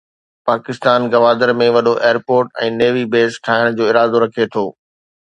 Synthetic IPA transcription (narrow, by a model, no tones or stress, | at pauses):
paːkɪst̪aːnɡɐʋaːd̪əɾmẽʋɐɗoʔeːɾpoːɾʈɛ̰̃ːneːʋibeːsʈʰaːɦɪɽ̃d͡ʑoːɪɾaːd̪oɾɐkʰet̪ʰoː